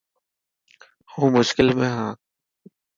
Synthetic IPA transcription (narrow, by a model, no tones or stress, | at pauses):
hũːmʊʃkɪlmẽːɦãː